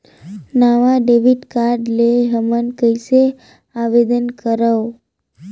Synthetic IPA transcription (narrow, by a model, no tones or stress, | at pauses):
naʋaɖeʋiʈkaɾɖleɦəmənkəjse | aʋed̪ənkəɾəw